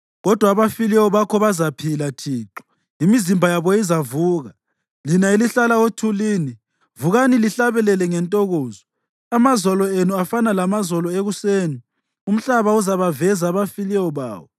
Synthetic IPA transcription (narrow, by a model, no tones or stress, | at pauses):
ɣɔd̥ʱwaːβafilɛwɔβakʰɔβazapʰilatʰiːǁɔ̥ | imizimbʱajaβɔizavuːɣa | linailiɬalaotʰuliːni | vuɣaniliɬaβɛlɛlɛŋɛntʼɔɣoːzɔ | amazɔlɔenuafanalamazɔlɔeɣuseːni | um̩ɬaβauzaβavɛzaβafilɛwɔβa̰ːwɔ